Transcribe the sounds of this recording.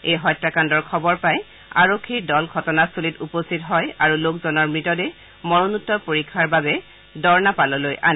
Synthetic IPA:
ejɦɔjtɹakandɔɹkʰɔbɔɹpaj | a̰ɹokʰːiɹdɔlɡʱɔtɔnasulitupostitɦɔjaɹulokzɔnɔɹmɹitɔdɛ | mɔɹonutːɔpoɹikʰːaɹbabɛ | dɔɹnapalɔlojʔa̰n

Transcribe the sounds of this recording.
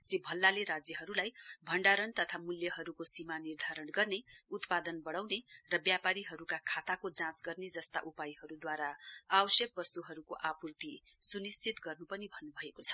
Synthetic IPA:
sɾibʱʌlːaleɾad͡zjʌɦʌɾulajbʱʌɳɖaɾʌnt̪ʌt̪ʰamuljʌɦʌɾukosimanird̪ʱaɾʌɳɡʌrneut̪pad̪ʌnbʌɽ̃awnerʌbjapaɾiɦʌɾukakʰat̪akod͡zãsɡʌrned͡zʌst̪a̰ʔupajɦʌɾud̪waɾaabʌsjʌk̚bʌst̪uɦʌɾukoʔapurt̪i | sunist͡sʰit̪ɡʌrnupʌnibʱʌnːubʱʌekot͡sʰʌ̥

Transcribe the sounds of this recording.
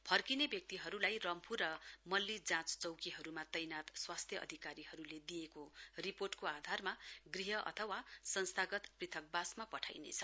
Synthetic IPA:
pʰʌrkinebjʌk̚t̪iɦʌɾulajrʌmpʰuɾʌmʌlːid͡zãt͡st͡sʌwkiɦʌɾumat̪ʌjnat̪swast̪ʰjʌʔʌ̰d̪ʱikaɾiɦʌɾuled̪ijekoriporʈkoad̪ʱarmaɡriɦʌʔʌ̰t̪ʰʌwasʌnst̪ʰaɡʌt̪prit̪ʰʌk̚basmapʌʈʰa̰jnḛt͡sʰʌ

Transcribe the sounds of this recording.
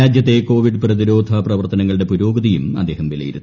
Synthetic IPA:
aːd͡ʑjɐt̪̬ːe̞ko̞ːʋiɖɨprɐðiɾo̞ːd̪ʱɐprɐʋɐrt̪ɐnɐŋːɐɭɨɽe̞puɾo̞ːɡɐðijumɐ̰d̪ːe̞ːhɐmʋilɐ̰jḭɾuː

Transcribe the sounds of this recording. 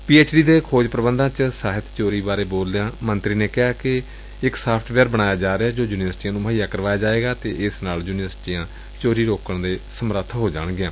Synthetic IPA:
piːeːt͡ʃɖiːd̪eːkʰoːd͡ʒpɾəbənd̪ãːt͡ʃsaːɦɪt̪t͡ʃoːɾiːbaːɾeːboːldejãːmənt̪ɾiːneːkɪɦaːkɪ | ɪksaːpʰʈʰʋɛːɾbəɽ̃aːjaːd͡ʒaːɾeaːd͡ʒoːjuːnɪʋəɾsʈiːãːnũːmaːijaːkəɾʋaːjaːd͡ʒaːeːɡaːt̪eːʔɪsnaːljuːnɪʋəɾsʈiːjãː | t͡ʃoːɾiːɾoːkəɳd̪eːsəmɾət̪ʰːɦoːd͡ʒaːɽ̃ɡɪãː

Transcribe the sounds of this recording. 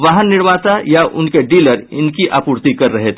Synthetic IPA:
ʋaːɦənːɪɽʋaːt̪ajaʔʊnkeɖiːləɾɪ̰nkiʔa̰ːpuːɾt̪ikɐɾːɐɦet̪ʰː

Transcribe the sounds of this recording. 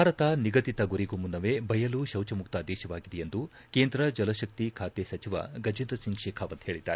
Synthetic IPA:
aːɾɐt̪aniɡɐt̪it̪ɐɡuɾiɡomunːɐʋebɐjɐluʃɐwt͡ʃɐmuk̚t̪aːd̪ɛːʃɐʋaːɡid̪ɛjend̪u | keːnd̪ɾɐd͡ʒɐlɐʃɐk̚t̪ikʰaːt̪esɐt͡ʃiʋɐ̰ɡɐd͡ʒind̪ɾɐsiŋɡʃɛːkʰaːʋɐnt̪ɦe̞ːɭid̪ːa̰ːɾe

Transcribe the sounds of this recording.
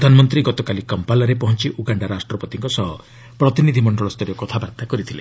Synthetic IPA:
d̪ʱanɔmɔnt̪ɾiɡɔt̪ɔkalikɔmpalɔɾepɔɦɔnt͡ʃiʔuɡaɳɖaɾasʈɾɔpɔt̪iŋkɔsɔɦɔ | pɾɔt̪inid̪ʱimɔɳɖɔɭɔst̪ʰɔɾjɔkɔt̪ʰabaɾt̪akɔɾit̪ʰilḛ

